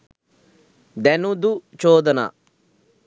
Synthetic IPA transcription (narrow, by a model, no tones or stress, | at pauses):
d̪ɛːnũd̪ut͡ʃoːd̪na̰ː